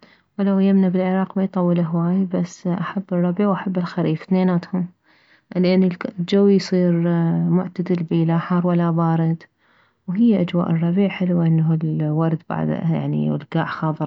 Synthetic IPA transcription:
wlawjamnabɪlʕɪɾˤɑːqmajt̪ˤɑwːɪlaɦwaːjbasːʔaħabːɨrˤːɑbiʕwʔaħabːɪlxaɾiːfθneːnaːt̪hʊm | lʔanːɪlld͡ʒawːjsˤiːɾmʊʕt̪ad̪ɪlbilaħɑɾˤwalːabɑːɾɪd̪ | wɦɪjːaʔad͡ʒwa̰ːʔɨrˤːɑbiːʕħɪlwʔɪnːaɪlwɑɾˤd̪ba̰ʕd̪̰ja̰ʕnḭɪ̰lɡaːʕxɑːðˤɨɾˤ

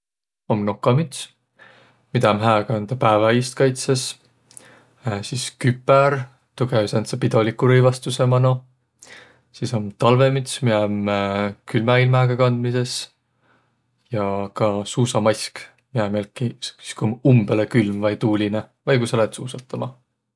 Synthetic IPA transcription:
omno̞kːˑɑmit̪s | mid̪ɑmɦæːkɑnd̪ɑpæːvɑist̪̚kɑjt̪ses | siskypːˑɛɾ | t̪uɡ̥eysent̪sepid̪o̞likːˑuɾɤjvɑst̪use̞mɑno | siso̞mt̪ɑlvemit̪smiæmkylmæilmæːɡ̥ɑkɑnd̪mise̞s | jɑkɑsuːsɑmɑjsk | miæmelkːisi̥skumumb̥elekylmvɑjt̪uːlʲine | vɑjkusɑlet̪suːsɑt̪ʰːˑɑmɑ

